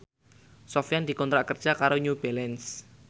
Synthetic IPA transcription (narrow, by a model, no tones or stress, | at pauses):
sɔfjand̪i̤kɔnt̪ɾaʔkər̥d͡ʒ̥akaɾoɲubɛlɛns